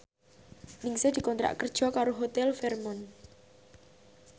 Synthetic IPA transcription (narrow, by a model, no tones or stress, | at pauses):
nɪŋsed̪̥i̤kɔnt̪ɾa̰ʔkərd̥ʒ̥ɔ̤kaɾoɦot̪ɛlfɛrmɔn